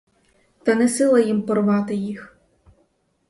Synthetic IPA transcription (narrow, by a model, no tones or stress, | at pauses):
t̪ɐnɛsɪlˠɐjimpɔrʋɑt̪ɪjix